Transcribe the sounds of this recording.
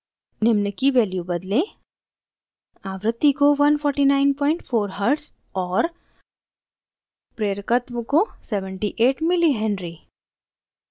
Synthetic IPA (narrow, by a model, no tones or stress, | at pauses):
nɪmnəkiʋeːljubɐd̪lẽ | aːʋɾɨt̪ːikoʋɐnfʰɔːɾʈinaːɪnpɔ̃ːɪ̃ɳʈfoːɾɦəɾɖs | ɔːɾ | pɾeɾəkət̪ʋəkoseʋəɳʈiʔeːʈmɪliɦɛ̃ɳɖɾi